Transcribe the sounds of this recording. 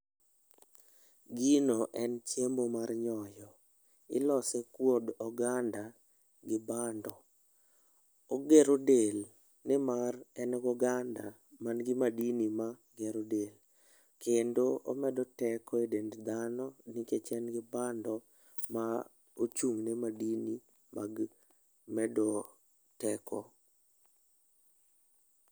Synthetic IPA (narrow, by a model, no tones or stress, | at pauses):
ɡinoʔɛnt͡ʃembomarɲɔjɔ | ɪ̰lɔsɛkwodɔɡanda | ɡɪbandɔ | oɡeɾodel | nɪmarɛnɡɔɡanda | manɡɪmadinima | ɡɛɾodel | kendoo̰mɛdɔtɛkɔedendd̪anɔniket͡ʃɛnɡɪbandɔ | ma | ot͡ʃuŋnemadini | ma̰ɡ | mɛdɔ | tɛkʰɔ̰